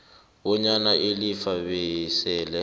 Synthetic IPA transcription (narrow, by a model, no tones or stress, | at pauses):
bɔɲanaʔɪlifaβɛisɛːlɛ